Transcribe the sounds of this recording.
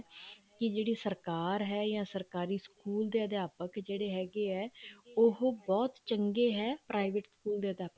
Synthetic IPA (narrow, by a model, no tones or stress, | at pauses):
kɪd͡ʒeːɽiːsəɾkaːɾɦɛːjãːsəɾkaːɾiːskuːld̪eːəd̪ejaːpəkd͡ʒeːɽeːɦɛːɡeːɛːʊɦbɔːt̪t͡ʃəŋɡeːɦɛːpɾaːiʋeʈskuːld̪eːəd̪jaːpək